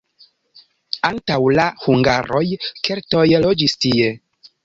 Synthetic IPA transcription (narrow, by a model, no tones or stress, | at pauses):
antawlahuŋɡaɾo̞jke̞ɾto̞jlo̞d͡ʒistie̞